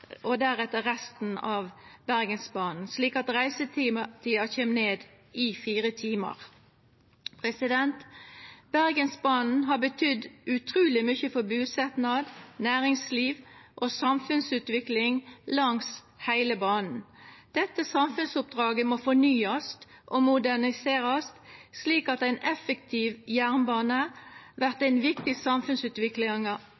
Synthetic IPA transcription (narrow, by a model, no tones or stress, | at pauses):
ɔd̪æʁɛt̪ːəʁɛst̪n̩ɑːʋbæʁɡənsbɑːnn̩sliːkɑt̪ʁæɪsət̪ːt̪ʰiːɑçeːmneːd̪ | ɪfiːʁət̪ʰiːmə̰ʁ | pʰʁɛsɪd̪ɛnt̪b̥æʁɡənsbɑːnn̩ɦɑbət̪ʰʏd̪ʉt̪ʰɾuːlɪmʏçəfɔbʉːsɛt̪nɑd̪næːʁɪŋsliːʋʔoːsɑmfʉnsʉːt̪ʋɪklɪŋlɑŋs | hæɪləbɑːnn̩d̪̥ɛt̪ːəsɑmfʉnsʊp̚d̪ʁɑːɡəmoːfɔnyːɑst̪ʔomʊd̪æʁnɪseːʁɑst̪sliːkɑt̪æɪnɛfəkt̪ʰiːʋjæʁnbɑːnəʋæʁt̪æɪnʋɪkt̪ɪsɑmfʉnsʉːt̪ʋɪklɪŋ